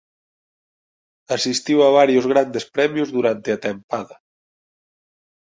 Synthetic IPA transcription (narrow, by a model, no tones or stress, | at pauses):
asist̪iwaβ̞aɾjʊzɣɾand̪espɾɛmjʊzðuɾant̪eat̪empaðɐ